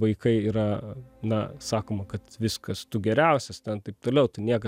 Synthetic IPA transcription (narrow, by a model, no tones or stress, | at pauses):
ʋɐɪkɐɪiːɾɐnɐsɑːkoːmɐkɐt̪ʋʲɪskɐst̪ʊɡʲɛɾʲæˑʊsʲɛst̪ʲɛnt̪ɐɪp̚t̪oːlʲɛʊt̪ɐɪnʲiɛkɐ